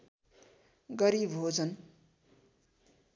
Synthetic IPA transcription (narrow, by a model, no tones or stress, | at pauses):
ɡʌɾibɦod͡zʌn